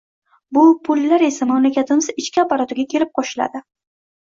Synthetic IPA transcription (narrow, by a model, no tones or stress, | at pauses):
bʊpʰʊlːaɾe̞samamlakʲat̪ʰɪmɪz̥ɪt͡ʃkʲɪapːaɾɒt̪ɪɡʲakʲʰe̞ɾɪp̚qʰɒʃɪla̰d̪ɪ